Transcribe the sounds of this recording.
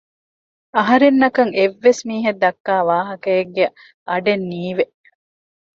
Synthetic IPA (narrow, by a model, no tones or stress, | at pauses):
ɐɦɐɾenːɐkɐŋeʋːesmiːɦed̪ːɐkːaːʋaːɦɐkɐeɡːe | ʔɐɖenːiːʋeʔ